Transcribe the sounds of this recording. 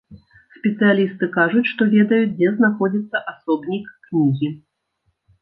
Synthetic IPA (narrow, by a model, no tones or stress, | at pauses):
sʲpʲɛt̪sɨjalʲist̪ɨkaʐut͡sʲʂt̪ɔvʲɛd̪ɐjut͡sʲd͡zʲɛznaxɔd͡zʲit̪sːɐʔasɔbnʲikːnʲiɣʲi